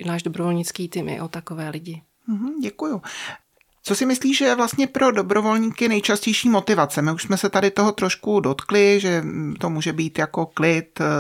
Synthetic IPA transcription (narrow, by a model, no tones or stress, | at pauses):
naːʒdobɾovolɲɪt͡skiːt̪imʔɪ̰ʔot̪akovɛːlɪɟɪ | m̩ɦm̩ɟɛkuju | t͡sosɪmɪsliːʒɛvlast̪ɲɛpɾo̞do̞bɾo̞vo̞lɲiːkɪnɛjt͡ʃascɛjʃiːmo̞t̪ɪvat͡sɛmɪuʃsmɛsɛt̪adɪt̪o̞ɦot̪ɾo̞ʃkudo̞t̪klɪʒɛt̪o̞muːʒɛbiːt̪jako̞klɪt̪